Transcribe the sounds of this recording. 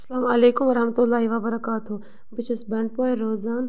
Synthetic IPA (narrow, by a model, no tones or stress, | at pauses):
ɐsɐlaːmɐleːkʊmʋɐɾɐɦmət̪ʊlːaːɦiʋaːbɐɾɐkaːt̪u | bɪt͡ʃʰɐsbɐ̃ɳɖ̚poːeɾoːzaːn